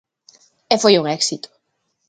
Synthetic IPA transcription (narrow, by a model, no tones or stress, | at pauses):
efojuŋɛksit̪ʊ̥